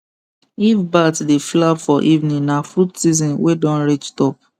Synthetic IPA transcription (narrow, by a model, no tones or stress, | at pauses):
ifbatdeflabfɔʔivnĩnafɾutsizɔ̃nwedɔ̃nɾit͡ʃtɔp̚